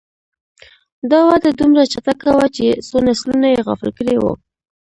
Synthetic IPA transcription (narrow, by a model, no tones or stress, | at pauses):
d̪ɑwad̪ad̪umɾat͡ʃat̪akawat͡ʃesonaslunajeɣa̰fɪlkəɽewo̰